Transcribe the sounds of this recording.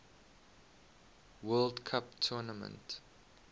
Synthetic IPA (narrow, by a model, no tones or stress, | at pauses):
wɜldkʰaptʰɔnəmə̰̃nt